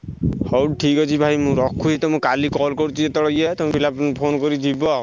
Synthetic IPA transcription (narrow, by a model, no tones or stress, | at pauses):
hɔwʈʰikɔt͡ʃʰibʱajmũɾɔkʰːuɦit̪ɔmũkalikɔlkɔɾut͡ʃʰiet̪ɔɽɔjat̪ɔm̃bilabpʰonkɔɾid̪ibɔ